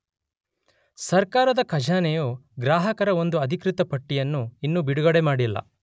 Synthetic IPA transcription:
sɐɾkaːɾɐd̪ɐkʰɐd͡ʒʱaːnɛjoːɡɾaːɦɐkɐɾɐo̞nd̪uɐd̪ʱikɾit̪ɐpɐʈːijɐnːuinːubiɽuɡɐɽe̞maːɽilːɐ̰

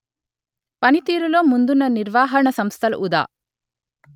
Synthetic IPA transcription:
pɐnit̪iːɾuloːmund̪unːɐniɾʋaːɦɐɾɳɐsɐmst̪ʰɐlṵʔud̪a̰ː

